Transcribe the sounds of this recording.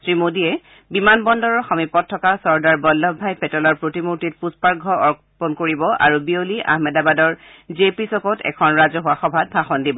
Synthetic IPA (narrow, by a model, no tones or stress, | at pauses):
sɹimodiɛ | bimanbɔndɔɹɔɹxɔmipɔtʰːɔkasɔɹdaɹbɔlːɔbʱajpɛtɔlɔɹpɹotimuɹtit̚puspaɹɡʱɔɔɹk | pɔnkoɹibɔʔa̰ɹubioliʔa̰hmɛdabadɔɹ | zepisɔkɔtɛ̰kʰɔnɹazɔɦʊwaxɔbʱat̚bʱaxɔndibɔ